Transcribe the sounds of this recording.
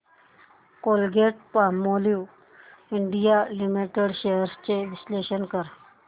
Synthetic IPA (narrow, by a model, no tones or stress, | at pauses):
kolɡeʈ̚pamːoli | iɳɖijalimiʈeɽɕejəɾst͡ɕeʋisleɕənkəɾ